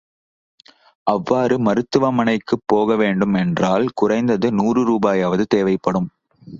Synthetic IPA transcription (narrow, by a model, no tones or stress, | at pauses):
ʔɐʋːaːɾɯmɐɾɯt̪ːɯʋɐmɐnɐɪkːɯpːoːɣɐʋeːɳɖɯmɛndraːlkʊrɐɪnd̪ɐðɯnuːrɯɾuːbaːjaːʋɐðɯt̪eːʋɐɪpːɐɽɯm